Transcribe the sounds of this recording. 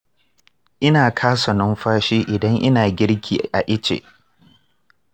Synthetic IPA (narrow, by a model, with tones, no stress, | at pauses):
ʔɪ˦naː˨kʰaː˦sɔ˨nɔ˦mɸaː˦ʃiː˦ʔɪ˨dɐ˦ŋʔɪ˦naː˨ɡʲɪ˦ɽkʲʰiː˨ʔa˨ʔɪ˦t͡ʃḛː˨ʔ